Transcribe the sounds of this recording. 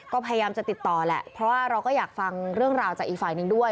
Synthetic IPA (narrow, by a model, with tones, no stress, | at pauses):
kɔː˥˩pʰa˧ja˧jaː˧mt͡ɕa˨˩t̪i˨˩t̪ːɔː˨˩lɛ̰˨˩ʔpʰɾɔ˦˥waː˥˩ɾa˧wkɔː˥˩jaː˨˩k̚fa˧ŋɾɯ˥˩əŋɾaː˧wt͡ɕaː˨˩k̚ʔiː˨k̚faː˨˩jnɯ˨˧ŋdu˥˩əj